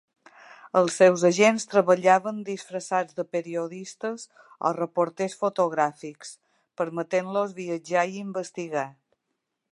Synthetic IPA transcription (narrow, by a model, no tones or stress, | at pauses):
əlˠsːɛwzəʒenst̪ɾəβəʎaβənd̪isfɾəsad͡zd̪əpəɾioðist̪əz | ɔ̰rəpoɾt̪esfot̪oɣɾafiks | pəɾmət̪enlozβiəd͡ʒaiimbəst̪iɣa